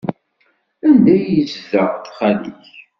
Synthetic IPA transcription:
ænd̪æjəzzəʁt̪χælḭç

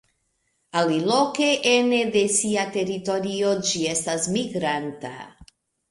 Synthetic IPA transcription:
alilokeʔened̪e̞siate̞ɾito̞ɾio̞d͡ʒie̞stasmiɡɾanta̰

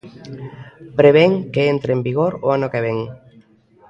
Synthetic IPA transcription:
pɾeβ̞eŋkeent̪ɾembiɣoɾoanʊkeβ̞eŋ

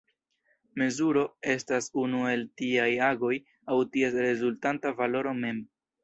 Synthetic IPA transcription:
me̞zuɾo̞e̞stasunue̞ltiajaɡo̞j | awtie̞sɾe̞zultantavalo̞ɾo̞me̞m

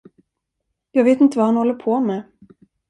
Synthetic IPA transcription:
jɑːɡveːt̪ɪnt̪əvahanhɔlːəpʰomɛ

